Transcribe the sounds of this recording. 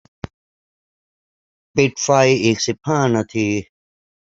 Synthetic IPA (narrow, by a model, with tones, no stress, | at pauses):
pi˧ʈ̚fa˧jeː˨k̚si˨pʰãː˦˨na˧t̪ʰi˧